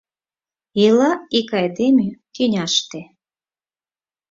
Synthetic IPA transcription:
ilɑikɑjd̪emʲyk̪ynʲɑʃt̪e

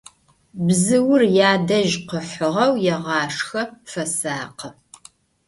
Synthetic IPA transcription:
bzɨwʊrjaːdɐʒqəħʷʊʁɐwjɛʁɑːʂxɐfɐsaːqə

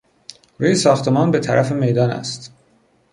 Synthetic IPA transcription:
ɾuːjesɒːxt̪ʰe̞mɒːnbe̞t̪ʰæɾʔæfe̞me̞jd̪ɒːnæ̰st̪

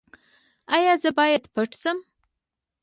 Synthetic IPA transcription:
ajazɐbaːjɐtpʰɐʈʰsɨm

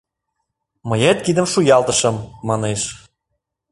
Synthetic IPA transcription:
məjæt̪̚kid̪əmʃujɑlt̪ə̆ʃɤ̆mːɑneʃ

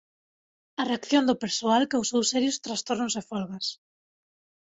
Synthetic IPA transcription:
ɐreakθjond̪ʊpeɾsoalkeʊsːewsɛɾjʊst̪ɾast̪oɾnosefɔlɣas

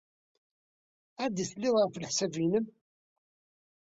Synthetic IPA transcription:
æd̪iθlːɪðʁəflħsævinəm

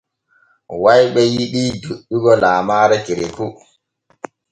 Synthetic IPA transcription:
wajɓɛjiɗiduɗːuɡɔlaːmaːɾakiɾeku

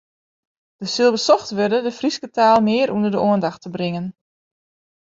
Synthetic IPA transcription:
d̥əsɪlˠʋəsɔxtʋørdədəfriskətaːlˠmɪːəɾʔunərdəʔoəndaxtəbrɪŋən

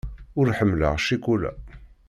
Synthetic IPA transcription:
ʊɾħəmːlə̰ʁʃikulæ̰

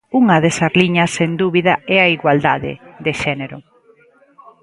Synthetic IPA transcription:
uŋɐðesɐzliɲɐsend̪uβiðɐɛaiɣwald̪aðḛðeʃɛneɾʊ

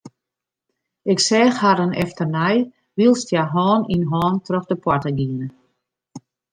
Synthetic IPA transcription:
ɪksɛːxhaɾənɛ̰ftərnaj | ʋilˠstjaɦɔːninɦɔːntʰrɔxdəpwɔtəɡiənə

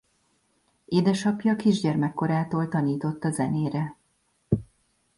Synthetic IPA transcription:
eːd̪ɛʃɒpjɒːkiʒɟɛrmɛkːo̞ɾaːt̪oːlt̪ɒniːt̪o̞t̪ːɒzɛneːɾɛ

